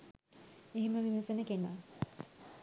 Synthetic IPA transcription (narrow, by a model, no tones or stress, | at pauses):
eɦiməʋimɐsenəkena